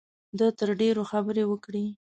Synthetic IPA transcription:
d̪ət̪əɾɖeɾoxabəɾewəkɽi

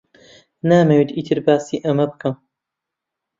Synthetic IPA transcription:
naːmewit̪iːt̪ʰɨɾbaːsiːʔɐmɐbɨkɐm

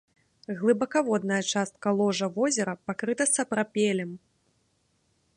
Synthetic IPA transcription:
ɣlˠɨbɐkavɔd̪nɐjɐt͡ʂast̪̚kɐlˠɔʐɐvɔzʲɛɾɐpakɾɨt̪ɐsɐpɾapʲɛlʲɛm

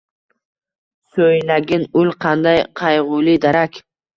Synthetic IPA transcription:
sojnaɡʲɪnʊlˠqʰɑnd̪ajqʰɑjʁʊlɪd̪aɾakʲ

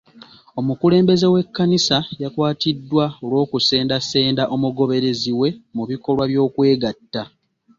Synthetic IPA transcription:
o̞mukule̞ːmbe̞ze̞we̞kːanisajakwaːtidːwaolwo̞ːkuse̞ːndase̞ːndaʔo̞muɡo̞βe̞ɾe̞ziwe̞muβiko̞lwaβjo̞ːkwe̞ːɡatːa

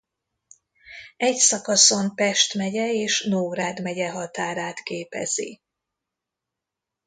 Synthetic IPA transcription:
ɛcsɒkɒso̞mpɛʃt̪mɛɟɛeːʃnoːɾaːd̪mɛɟɛɦɒt̪aːɾaːt̪keːpɛ̰z̥ḭ

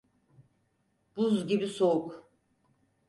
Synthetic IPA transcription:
b̥uzɟʲibisouk

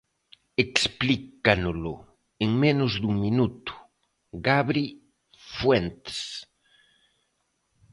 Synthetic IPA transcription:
eksplikanʊlʊ | eŋmenʊzðuŋminut̪u̥ | ɣaβɾi | fwent̪e̥s

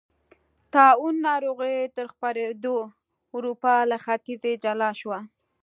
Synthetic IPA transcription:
t̪ɑwunːɑɾoɣət̪əɾxpaɾed̪o | ʊɾupɑlaxat̪ized͡ʒalɑʃwa

